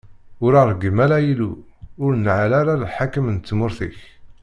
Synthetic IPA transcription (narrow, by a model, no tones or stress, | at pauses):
ʊɾaɾˤɡəmælæjiluʊɾnʕalaɾallħakəmnt͡s̪ːmʊɾθḭç